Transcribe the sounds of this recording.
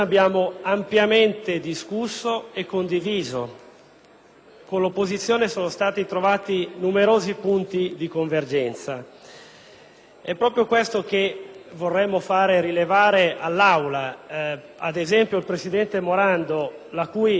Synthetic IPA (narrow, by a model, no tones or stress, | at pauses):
abːjaːmoampjament̪ed̪iskusːoekːond̪iviːzo̰ | konlopːozit̪sːjoːnesoːnost̪aːt̪it̪ɾovaːt̪inumeɾoːzipunt̪id̪ikoɱverd͡ʒɛnt̪sa | ɛpːɾɔːpɾjokwest̪ok̟evorːɛmːofaːɾeɾilevaːɾeʔalːawla | ad̪ezɛmpjoilpɾesid̪ɛnt̪emoɾand̪olakuːj